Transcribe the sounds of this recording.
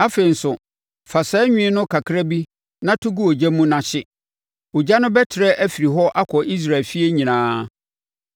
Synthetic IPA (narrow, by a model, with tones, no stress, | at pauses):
a˦fe˨n̩˨sʊ˨ | fa˨sɛ˨˦ɲᶣĩ˦nʊ̃˦kʰa˨kʰɾa˦bi˦ | nã˦tʰʊ˦ɡu˦o˨d͡ʑa˦mũ˦nã˨ɕɪ˦ | ʊ˨d͡ʑa˦nʊ̃˦bɛ˦tʰɪ˨ɾɛ˦ʔæ˦fi˨ɾi˨ɦɔ˦ʔa˦kʰɔ˨ʔi˦s̬ɾa˨lfi˦e˦ɲĩ˨nãː˦